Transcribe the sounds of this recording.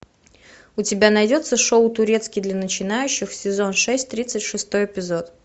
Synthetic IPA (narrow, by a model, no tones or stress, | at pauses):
ʊtʲɪbʲanɐjdʲo̞t̪səʂoʊt̪ʊɾʲe̞t̪skʲɪd̪lʲənət͡ɕɪnajʉɕːɪxsʲɪzo̞nʂɛsʲtʲt̪ɾʲit̪sɨtʲʂɨst̪o̞jɪpʲɪzo̞t̪